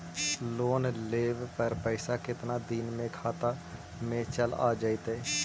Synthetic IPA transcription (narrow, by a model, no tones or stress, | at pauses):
ʃloːnleːʋpəɾpəɪsakɪt̪nad̪iːnmẽkʰaːt̪a | mẽt͡ʃəla̰ːd͡ʒaːɪt̪ɛː